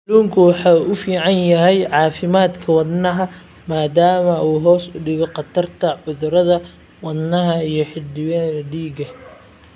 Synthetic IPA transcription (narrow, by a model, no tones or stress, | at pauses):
luːŋkʰʊwɑħɑːʊfiːʕɑnjɐɦɛjʕɑːfɪmaːd̪kʰɐwɑd̪nɐɦɐ | maːd̪aːmɐuːɦɔːsʊɖɪɣɔqɑt̪ʰɐrt̪ʰɐʕʊðʊɾɐðɐ | wɑd̪nɐɦɐijɞħɪldɪwɛlɐɖiːɡɐ